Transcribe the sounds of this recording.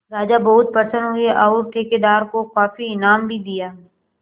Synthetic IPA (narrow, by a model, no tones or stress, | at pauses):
ɾaːd͡ʒabɐɦʊt̪̚pɐɾsə̃nd̪ɦʊeʔaʊɾʈ̪ʰeːked̪aːɾkokaːfiɪnaːmbʱid̪ijaːɦ